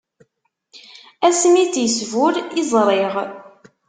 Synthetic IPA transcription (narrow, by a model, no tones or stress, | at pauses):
æsmit͡sjəsvʊɾɪzˤɾˤeʁ